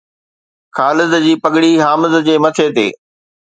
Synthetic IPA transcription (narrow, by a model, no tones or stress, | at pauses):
kʰaːlɪzd͡ʑiːpɐɠɽiɦaːmɪzd͡ʑeːmɐt̪ʰet̪ḛː